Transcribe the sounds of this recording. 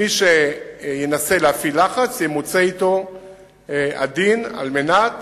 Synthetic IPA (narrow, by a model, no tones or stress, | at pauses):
iʃejenase̞leafilaχat͡sjemot͡seito̞ | a̰d̪ina̰lmenat̪